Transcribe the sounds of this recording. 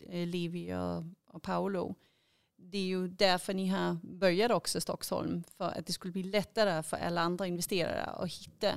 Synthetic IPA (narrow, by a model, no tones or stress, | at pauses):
lɪvɪɔ̰ɔpʰaʊlʊ̰ | d̪ɛæɾjɵd̪æɾfœnɪɦabœɾjad̪əɔksɔst̪ɔksɔ̰lmfœɾa̰t̪̚d̪ɛskɵlːəbliːlɛt̪ːaɾəfœɾa̰lːaand̪ɾaɪnvɛst̪eːɾa̰ɾə̰ɔ̰hɪt̪ːa̰